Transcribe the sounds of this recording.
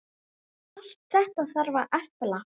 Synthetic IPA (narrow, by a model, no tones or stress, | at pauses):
al̥t̪̚θɛht̪aðθaɾvaɾʔɛfpɪla